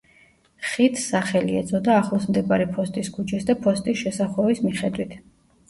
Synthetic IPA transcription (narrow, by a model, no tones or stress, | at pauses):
χit̪ʰsaχɛliɛ̰zʰʼɔd̪aːχlˠɔsmd̪ɛbaɾipʰɔst̪ʼiskʰut͡ʃʰɛsd̪apʰɔst̪ʼisʃɛsaχɔvismiχɛd̪wit̪ʰ